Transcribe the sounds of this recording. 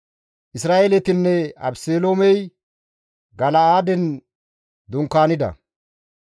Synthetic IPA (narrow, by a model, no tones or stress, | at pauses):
ʔɪsɾaːelɛt̪ɪnːɛɐ̰bseːloːmɛj | ɡɐlɐaːd̪ɛn | d̪ʊŋkːaːnɪd̪ɐ̰